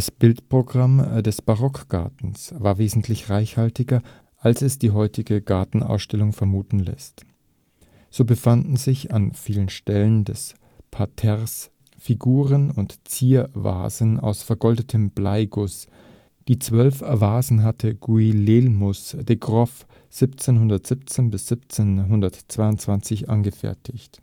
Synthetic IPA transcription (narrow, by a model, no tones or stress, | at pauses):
d̥asb̥ɪltpʁ̥oɡʁamdɛsb̥aʁɔkɡ̥a̰ɐtn̩svaːɐveːzn̩tʰlɪçʁaɪçhaltɪɡɐ | ʔalsɛsd̥iːɦɔʏtʰɪɡəɡaɐtn̩ʔa̰ʊsʃtɛlʊŋfɛɐmuːtn̩lɛ̰st | z̥oːbəfandn̩zɪçanfiːlənʃtɛləndɛs | pʰatʰɛʁs | fiɡuːʁənʊntt͡siːɐva̰ːzəna̰ʊsfɛɐɡɔldətʰəmblaɪɡʊs | d̥iːt͡sv̥œlfvaːzn̩ɦatʰəɡ̥uilelmʊsd̥eɡʁɔf | z̥ɪpt͡seːnɦʊndɐtz̥ɪp̚t͡seːnbɪsz̥ɪpt͡senɦʊndɐtt͡sv̥aɪʊntt͡sv̥ant͡sɪçʔa̰nɡəfɛ̰ɐtʰɪçt